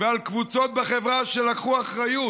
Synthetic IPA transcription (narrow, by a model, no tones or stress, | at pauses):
vealkvut͡so̞t̪̚beχevʁaʃelakχuaχʁaju